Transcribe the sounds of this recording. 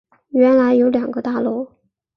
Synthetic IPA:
ɥɛ˧˥nla˧˥ɪjo˧˥ʊljɑ˨˩ŋɡə˧˦t̪a˥˧lu˥˩

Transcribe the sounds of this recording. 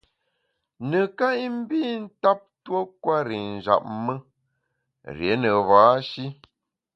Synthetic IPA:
nə˨ka˦i˦m̩˦bi˦n̩˦ta˦p̚two˦kwa˦ɾi˨n̩˨d͡ʒa̰˨p̚mə˦ | ɾje˨˦nə˨vaː˨˦ʃi˦

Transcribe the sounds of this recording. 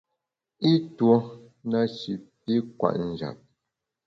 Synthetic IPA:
i˦twɔ˦ | na˦ʃi˨p̚i˦kwa̰˨ʔn̩˨d͡ʒa̰˨p̚

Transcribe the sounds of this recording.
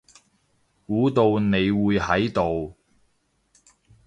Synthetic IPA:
kuː˨˥t̪o˧wne˨˧jwuː˨˧jhɐ˨˥jt̪o˨w

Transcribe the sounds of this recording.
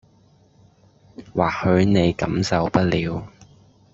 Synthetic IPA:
waː˨k̚hɵ˨˧ɥne˨˧jkɐ˨˥msɐ˨wpɐ˥t̚liː˨˧w

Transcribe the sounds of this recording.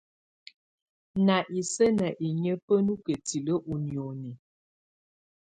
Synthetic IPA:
na˨ʔi˨sə˦na˨ʔi˨ɲə˦pə˦nu˦kə˨ti˨lə˦ʔu˨njo˨ni˨

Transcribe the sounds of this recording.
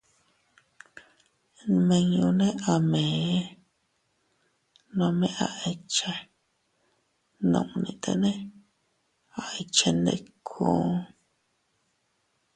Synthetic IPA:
mẽ˧ɲũ˧nẽ˦ʔa˨mẽ˨˦ | nõ˧mẽ˧ʔa̰˧˨ʔe˧t͡ʃe˧ | nũ˧˨ʔnĩ˧t̪ʰḛ˧nẽ˦ | a˨e˧t͡ʃe˧nd̪ḛ˧kʰõː˧˦

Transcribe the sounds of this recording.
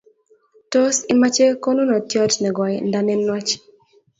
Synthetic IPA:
to˦si˦ma˦t͡ʃe˦ko˦no˦nɔ˨tjɔ˦tnɛ˨ɡɔ˨jnda˦nɛ˦nːa˦t͡ʃ

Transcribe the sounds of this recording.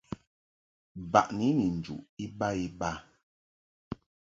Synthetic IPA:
ba˨ʔni˨˦ni˨n̩˨d͡ʒṵ˨ʔi˦ba˦i˦ba˦

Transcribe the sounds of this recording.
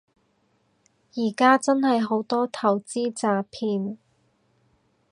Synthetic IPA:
jiː˨˩kaː˥t͡sɐ˥nhɐ˨jɦo˨˥wt̪ɔː˥t̪ʰɐ˨˩wt͡siː˥t͡saː˨˧pʰiː˧n

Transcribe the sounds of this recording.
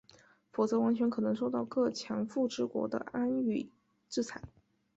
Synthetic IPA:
fu˨˩t͡sɤ˧˥wa˧˥nt͡ɕʰɥɛ˧˥nkʰɤ˨˩nɤ˧˥ŋʂ̬o˥˧ʊt̪ɑ˥˧ʊkɤ˥˩t͡ɕʰjɑ˧˥ŋfu˥˩ʈ͡ʂɻ̩˥kwɔ̰˧˥d̪ə̰˧a˥ny˥˩ | ʈ͡ʂɻ̩˥˩t͡sʰa˧˥ɪ

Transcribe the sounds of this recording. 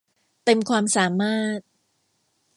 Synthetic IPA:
t̪e˧mkʰwaː˧msaː˩˦maː˥˩t̪̚

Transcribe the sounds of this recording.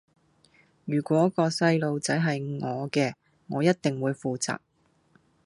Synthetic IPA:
jyː˨˩kʷɔː˨˥kɔː˧sɐ˧jlo˨˧wt͡sɐ˨˥jɦɐ˨jŋɔː˨˧kɛː˧ | ŋɔː˨˧jɐ˥t̚t̪ɪ˨ŋwuː˨˧jfuː˨t͡sa̰ː˨˩k̚

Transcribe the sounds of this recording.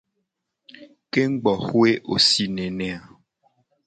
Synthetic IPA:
ke˦ŋ̩˦ɡ͡bɔ˨xwe˦ʔo˨si˨nẽ˨nɛ̃˨a˨

